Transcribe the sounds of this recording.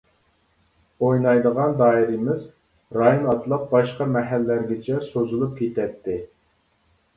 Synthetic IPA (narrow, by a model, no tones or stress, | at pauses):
ojnɑjd̪əʁɑnd̪ɑːiɾimɪz | ɾɑjonɑt̪lˠəq̚bɑʃqɑmɛɦælːæɾɡʲɪt͡ʃʰɛsozulˠup̚kʲʰet̪ɛt̪ʰːɪ